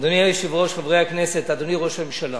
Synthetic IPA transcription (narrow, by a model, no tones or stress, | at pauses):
d̪oniaiʃivʁo̞ʃχavʁeaknese̞t̪ad̪oniʁo̞ʃamemʃalo